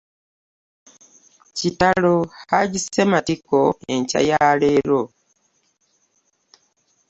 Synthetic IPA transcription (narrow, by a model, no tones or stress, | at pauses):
citalohaɟisematikoeɲca̰jaːleɾo